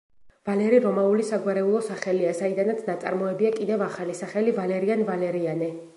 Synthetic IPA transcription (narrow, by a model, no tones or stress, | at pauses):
valɛɾiɾɔmaulisaɡwaɾɛulˠɔsaχɛliazaid̪anat̪sʰnat̪sʼa̰ɾmɔɛbiakʼid̪ɛvaχalisaχɛlivalɛɾianvalɛɾianɛ